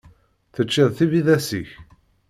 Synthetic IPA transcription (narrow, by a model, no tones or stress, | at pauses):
θət͡ʃːiðˤθiviðæsiç